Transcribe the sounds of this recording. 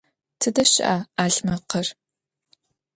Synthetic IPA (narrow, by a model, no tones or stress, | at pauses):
tʰɨdɐɕɪ̰ʔaaːɮmɐqər